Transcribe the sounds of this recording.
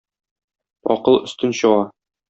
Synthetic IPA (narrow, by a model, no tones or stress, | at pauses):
ɒ̰qɤlˠɵ̆st̪ɵnɕɤ̆ʁɑ